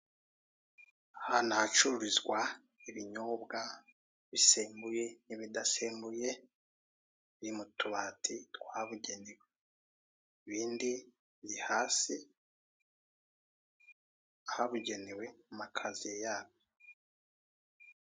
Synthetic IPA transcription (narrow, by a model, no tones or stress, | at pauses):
ahanat͡ʃuɾuɾizɡwa | iβiɲobɡa | βiseːmbuje̞niβidaseːmbuje̞ | βiimutuβaːtʰitwaβuɟe̞newe | iβiːndi | βihaːsi | ahaβuɟe̞newe̞mumakʰazijejaːβo